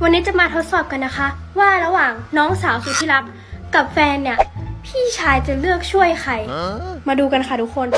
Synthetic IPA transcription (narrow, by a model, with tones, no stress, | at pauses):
wa˧nːiː˦˥t͡ɕa˨˩maː˧t̪ʰo˦˥t̪̚sɔː˨˩p̚ka˧nːa˦˥kʰa˦˥ | waː˥˩ɾa˧waː˨˩ŋnɔː˦˥ŋsaː˩˦wsuː˧˩t̪ʰiː˥˩la˦˥p̚ | ka˨˩p̚fɛː˧nːi˥˩ɐpʰiː˥˩t͡ɕʰaː˧jt͡ɕa˨˩lɯ˥˩ək̚t͡ɕʰu˥˩əjxʰa˨˩jmaː˧duː˧ka˧nxʰa˥˩t̪ʰu˦˥kʰːo˧n